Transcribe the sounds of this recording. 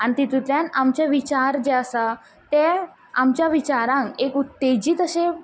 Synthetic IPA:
aɽ̃it̪it̪it̪ɾjanamt͡ɕaʋit͡ɕaɾd͡ʑeəsa | t̪e | amt͡ɕjaʋit͡ɕaɾãŋkekut̪ːed͡ʑiːt̪əɕe

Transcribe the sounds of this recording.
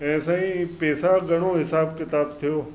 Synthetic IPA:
ɛ̃ːsaːĩːpɛːsaɡəɽ̃oːɦɪsaːbkɪt̪aːb̚t̪ʰijoː

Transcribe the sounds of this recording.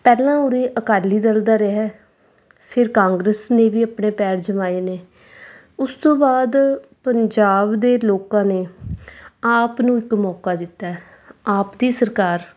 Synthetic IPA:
pɛːlãːʊɾeːʔəkaːliːd̪əld̪aːɾeɦɛː | pʰɪɾkãːŋɡɾəsneːʋiːapɳeːpɛːɾd͡ʒəmaːeːneː | ʊst̪õːbaːd̪pəɲd͡ʒaːbd̪eːloːkãːneː | aːpnũːɪkmɔːkaːd̪ɪt̪ːaːɛ | aːpd̪iːsəɾkaːɾ

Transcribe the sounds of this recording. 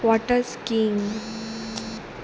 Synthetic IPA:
wɔʈəɾskiŋɡ

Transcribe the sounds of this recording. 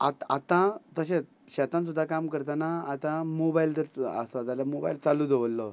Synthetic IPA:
a̰t̪at̪ãt̪əɕ̬e | ɕɛt̪ãns̬ud̪ʱːakamkəɾt̪anaːt̪ãmobailt̪əɾə̰sɔt̪alamoba̰ilt͡salud̪ɔʋəlːɔ

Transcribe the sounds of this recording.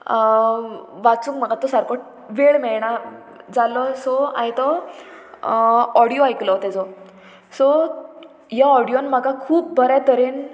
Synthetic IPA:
ʋat͡sũkm̤əɡat̪ɔsaɾkoʈ̚ | ʋeɭmɛɭɳ̃a | d͡zalɔsɔa̰jt̪ɔ | ɔɽijoajklɔt̪ɛd͡zɔ | sɔ | ɦjaɔɽijonməɡakʰuːp̚bʱəɾat̪əɾen

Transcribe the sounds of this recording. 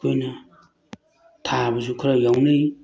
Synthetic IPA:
ojnɐ | tʰabɐzukʰɾajawnɯj

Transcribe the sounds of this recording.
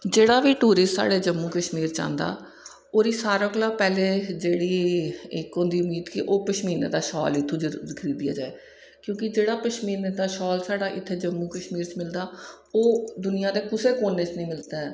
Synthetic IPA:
d͡ʒeːɽaːʋiːʈuːɾɪstsa̰ːɽeːd͡ʒəmːũːkəʃmiːɾt͡ʃã̰ːnd̪a̰ː | oːɾiːsaːɾoːklaːpɛːleːd͡ʒeːɽiːɪkõːnd̪iːʊmiːd̪kɪʔoːpəʃmiːnḛːd̪aːʃɔ̰ːlɪt̪ʰːõːd͡ʒkʰəɾiːd̪ija̰ːd͡ʒaːeː | kjõːkɪd͡ʒeːɽaːpəʃmiːneːd̪aːʃɔːlsaːɽaːʔɪt̪ʰːeːd͡ʒəmːuːkəʃmiːɾt͡ʃmɪld̪aː | oːd̪ʊnɪjãːd̪eːkʊseːkoːnːeːt͡ʃnĩːmɪlt̪aːɛː

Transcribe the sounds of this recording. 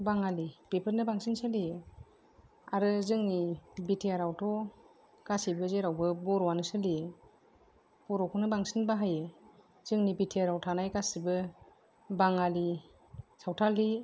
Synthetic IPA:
baŋalipepʰəɾnɯbaŋsinsali | aɾɯzɯŋnibitʰijaɾawtʰɔ | ɡ̥asibɯzeɾawbɯbɔɾɔwanɯsɯli | b̥ɔɾɔkʰɔnɯbaŋsinbaɦaje | z̥ɯŋnibitʰiaɾawtʰanajɡasibɯ | baŋali | sawtʰali

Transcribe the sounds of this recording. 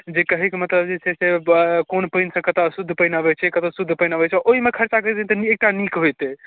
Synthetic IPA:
d͡ʒekəɦikemət̪ləbd͡ʒet͡ʃʰɛsekonpəɪnsə̃kət̪oəsud̪ʱːpənəbɛt͡ʃʰɛkət̪osud̪ʱːpəjnəbɛt͡ʃʰɛɔʔoɦimekʰəɾt͡ʃakəɾd̪int̪əek̚ʈanikɦojt̪ɛ

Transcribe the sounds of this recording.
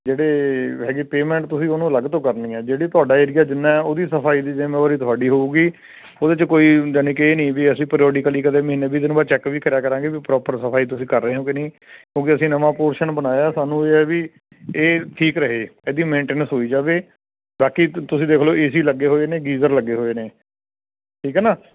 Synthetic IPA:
d͡ʒeːɽeːɦɛːɡeːpeːmɛ̃ːɳʈt̪ʊsĩːoːnũːləɡt̪õːkəɾnĩːɛːd͡ʒeːɽiːt̪ʊaːɖaːeːɾɪjaːd͡ʒɪnːãːɛoːd̪iːsəpʰaːiːd̪iːd͡ʒemɛ̃ːəːɾiːt̪ʰʊaːɖiːɦoːuːɡiː | oːd̪eːt͡ʃkoːiːd͡ʒəniːkeːnĩːʋiəsĩːpɾioːɖiːkəliːkəd̪eːməɦiːnːeːbiːd̪ɪnbaːt͡ʃɛːkʋiːkʰəɾjaːkəɾãːɡeːʋipɾɔːpəɾsəpʰaːiːt̪̬ʊsĩːkəɾːəeːɦõːkenĩː | kjõːkɪəsĩːnəmãːpoːɾʃənbənaːjaːsaːnũːeːɛːʋiː | eːʈ̪ʰiːkɾəɦeːɛːd̪iːmẽːɳʈeːnəsɦoːiːd͡ʒaːʋeː | baːkiːt̪ʊsĩːd̪eːkʰloːʔeːsiːləɡːeːɦoːeːneːɡiːzəɾləɡeːɦoːeːneː | ʈʰiːkɦɛːnaː

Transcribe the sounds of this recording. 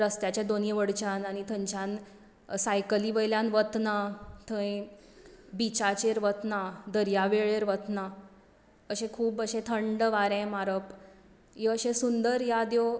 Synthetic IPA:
ɾəst̪jat͡ɕãd̪onjəʋəɽt͡ɕanañit̪ʰə̃ɲt͡ɕãn | sajkəliʋəjljanʋət̪nat̪ʰə̃ẽ | bit͡ɕat͡ɕeɾʋət̪nad̪əɾjaʋeɭeɾʋət̪na | əɕẽkʰuːbəɕẽt̪ʰəɳɖʋaɾɛ̃maɾəp | eəɕẽsund̪əɾjad̪jo

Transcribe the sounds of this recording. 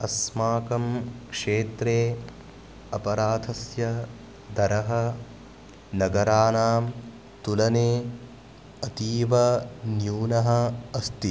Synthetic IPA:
ɐsmaːkɐmkʂeːt̪ɾeː | ɐpɐɾaːd̪ʰʱɐsjɐ | d̪ʱɐɾɐɦɐ | nɐɡɐɾaːnaːm | t̪ulɐneː | ɐt̪iːʋɐnjuːnɐɦɐ̆ɐst̪i

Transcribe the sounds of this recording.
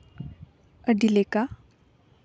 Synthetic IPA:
əɖileka

